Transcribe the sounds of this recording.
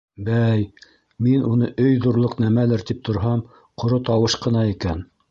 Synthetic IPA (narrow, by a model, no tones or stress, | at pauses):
bæj | minunɤʔɵjðuɾlˠoqnæmælɘɾt̪ip̚t̪ŏɾɦɑm | qŏɾot̪ɑwɤʃqɤ̆nɑikæn